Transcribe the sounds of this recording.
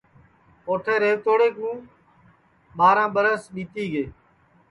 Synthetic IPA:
oːʈʰeːɾeːʋt̪oːɽeːk̚mũː | ɓaːɾãːɓəɾəsɗiːt̪iːɡeː

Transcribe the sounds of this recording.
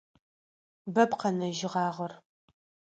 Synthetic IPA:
bɐbqɐnɐʒɪʁɑːʁɐr

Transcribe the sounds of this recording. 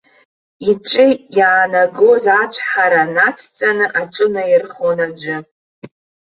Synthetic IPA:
iʈ͡ʂʼɨjaːnaɡozat͡ʃʷʰħaɾanat͡sʰt͡sʼanɨʔaʈ͡ʂʼɨnajɪrχonad͡ʒʷʊ

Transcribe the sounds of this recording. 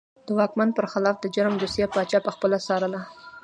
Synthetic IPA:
d̪̥əwɑkmand̪̚pəɾxɪlɑfd̪əd͡ʒaɾmd̪usijapɑt͡ʃɑpəxpəlasɑɾəla

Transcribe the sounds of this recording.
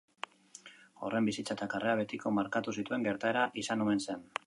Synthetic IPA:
o̞̰re̞mbisit͡sat̪akareaβe̞t̪iko̞maɾkat̪us̬it̪ue̞ŋɡe̞ɾt̪ae̞ɾaʔisanuense̞n

